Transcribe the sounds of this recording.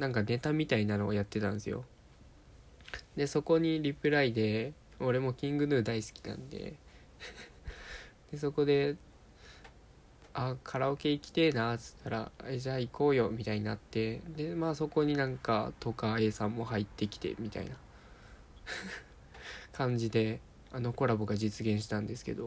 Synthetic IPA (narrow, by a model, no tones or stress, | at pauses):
nãŋkane̞t̪amʲit̪ainano̞ːjat̪ːe̞t̪ã̰ñd̪esɨjo̞̰ | d̪e̞so̞ko̞ɲ̟iɾʲipɯ̟ɾaid̪e̞ | o̞ɾe̞mo̞kʲĩŋɡɯ̟nɯ̟ːd̪aisɨ̥kʲi̥nã̰nd̪e̞̰ | d̪̥e̞so̞ko̞d̪e̞ | akʰaɾaoke̞ikʲi̥t̪e̞ːnat͡sɨ̥t̪ʰːaɾa̰ed͡ʑaːiko̞ːjo̞mʲit̪aiɲ̟inat̪ːe̞d̪e̞maːso̞ko̞ɲ̟inãŋka̰t̪o̞kae̞ːsãmːo̞hait̪ːe̞kʲi̥t̪e̞̰mʲit̪a̰ḭna | kʰãɲ̟d͡ʑid̪e̞ | ano̞ko̞ɾaboɡad͡ʑit͡sɨɡẽ̞ɰ̃ɕi̥t̪ãnd̪e̞sɨ̥ke̞̰d̪o̞